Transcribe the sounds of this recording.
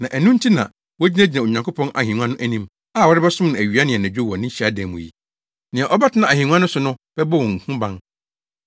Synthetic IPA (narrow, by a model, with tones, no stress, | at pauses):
nã˨ʔæ˨nũ˦n̩˦tʰi˦nã̰˨ | wɔ˦d͡ʑi˦næ˦d͡ʑi˨nã˨o˨ɲã˨kʰo˦pʰɔ̃˦nʔa˨hĩ˨nũ˦ã˦nʊ̃˦ʔæ˦nĩ˦m | a˦˨wɔ˦ɾɪ˦bɛ˦sʊ̃˦m˦nã˨æ˨ɥi˨˦a˦nɪ̃˨ɛ˨næ̃˨d͡ʑᶣo˦wɔ˨nɪ̃˦ɕi˨a˦dɛ̃˨mʊ̰̃˨jḭ˨ | nɪ̃˨ɛ˨ʔɔ˦ba˦tʰɪ˦nã˨æ˨hĩ˨ũ˦ã˦nʊ̃˦sʊ˨nʊ̃˦b̥ɛ˦bɔ˦˨wɔ̃˨ŋ̩˨hũ˦bã˦n